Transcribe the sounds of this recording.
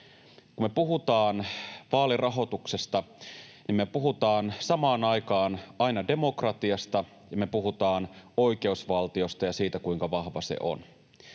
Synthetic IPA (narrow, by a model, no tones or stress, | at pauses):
kumepuɦut̪ɑːnʋɑːlirɑɦo̞t̪ukse̞st̪ɑnimmepuɦut̪ɑːnsɑmɑːnɑjkɑːnɑinɑde̞mo̞krɑt̪iɑst̪ɑ | jɑme̞puɦut̪ɑːno̞ik̟e̞usʋɑlt̪io̞st̪ɑjɑsiːt̪ækuiŋkɑʋɑhʋɑsḛʔo̰n